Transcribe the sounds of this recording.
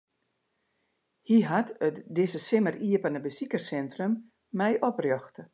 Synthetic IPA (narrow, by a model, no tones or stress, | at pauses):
hiɦatətdɪzəsɪməriəpanəbəsikərsɛntrəmː | ɛjʔɔprjɔxtə